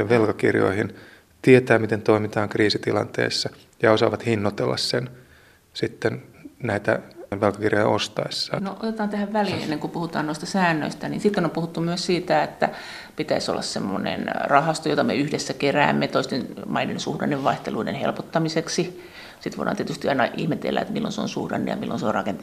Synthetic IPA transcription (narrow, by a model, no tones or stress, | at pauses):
eʋʋelkɑkirjo̰ihin | t̪iet̪æːmit̪ent̪oimit̪ɑːŋkriːsit̪ilɑ̰nt̪ḛːsːɑ | jɑosɑːʋɑt̪hinːot̪elːɑ̰ssen | sit̪ːennæit̪æʋʋelkɑkirjojɑ̰ost̪ɑesːɑːnoʔo̰t̪et̪ɑːnt̪æhæʋʋæliːnḛnːeŋkupuhut̪ɑːnnoist̪ɑsæːnːø̰ist̪ænḭːnsit̪ːenompuhut̪ːumyøssiːt̪æet̪ːæ̰ | pit̪æiso̰lːɑ̰ssḛmːo̰nḛnrɑhɑst̪ojot̪ɑmḛyhdesːækeræːmːet̪oist̪enmɑidensuhdɑnːeʋʋɑiht̪eluidḛnhḛlpot̪ːɑmiseksi | sit̪ʋo̰iɾˑʔɑ̰ːniet̪yst̪iɑinɑʔihmet̪ḛlːæ̰ḛt̪milːo̰nseo̰nsṵhrɑ̰nːḛjɑ̰milːo̰nseorɑ̰kent̪